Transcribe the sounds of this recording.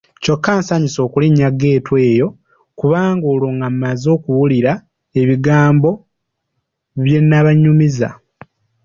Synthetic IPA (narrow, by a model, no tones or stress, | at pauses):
co̞kːaːnsaɲiso̞ːkuliɲːaɡeːtwe̞ːjo̞ | kuβaːŋɡoːloːŋɡamːazo̞ːkuβuliɾa | e̞βiɡaːmbo̞ | βje̞nːaβaɲːumiza̰